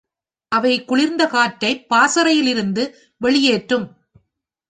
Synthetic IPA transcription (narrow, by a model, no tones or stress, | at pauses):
ʔɐʋɐɪkːʊɭɪɾnd̪ɐkaːʈːɐɪpːaːsɐɾɐjɪlɪɾɯnd̪ɯ | ʋɛɭɪjeːʈrɯm